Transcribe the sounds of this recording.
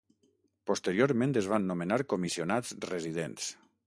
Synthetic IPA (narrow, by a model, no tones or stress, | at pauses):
post̪eɾjoɾmẽnt̪ezβanːomenaɾkomisionat͡srezið̞ḛns